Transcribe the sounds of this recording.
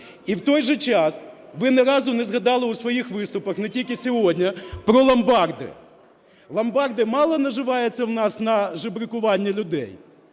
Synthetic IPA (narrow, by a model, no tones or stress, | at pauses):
iwt̪ɔjʒɛt͡ʃɑsʋɪnɛɾɑzʊnɛzɣɐd̪ɑlˠɪusʋɔjixʋɪst̪ʊpɐxnɛtʲilʲkɪsʲɔɦɔdʲnʲɐpɾɔlˠɐmbɑrd̪ɪ̰ | lˠɐmbɑrd̪ɪmɑlˠɔnɐʒɪʋɑjet͡sʲːɐwnɑsnɐʒɪbɾɪkʊʋɑnʲːilʲʊd̪ɛ̰j